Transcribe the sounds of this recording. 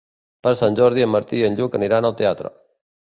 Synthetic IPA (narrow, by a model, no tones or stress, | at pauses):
pɐɾsɐnd͡ʒoːɾd̪iəməɾt̪iːɐnd͡ʒuːkɐnɪɾaːnɐʋt̪ɐjaːt̪ɾə̰